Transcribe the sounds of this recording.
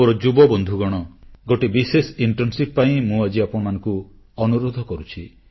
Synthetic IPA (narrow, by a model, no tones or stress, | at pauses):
oɾɔd͡ʒubɔbɔnd̪ʱuɡɔɽ̃ɔɡoʈebisesiɳʈɾɔnsippaĩmũad͡ʒiapɔɽɔmanɔŋku | ɔnuɾod̪ʱɔkɔɾut͡ʃʰi